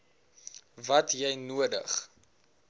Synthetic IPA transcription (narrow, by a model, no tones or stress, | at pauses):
vɐtjɛjnuədə̰χ